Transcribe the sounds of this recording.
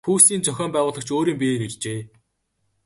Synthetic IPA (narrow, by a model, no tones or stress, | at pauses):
xuːsiːnt͡sœxʲɔːmpæːʁʊːɮə̆kt͡ɕʰoːɾiːmpʲeːnut͡ɕʲt͡ɕeː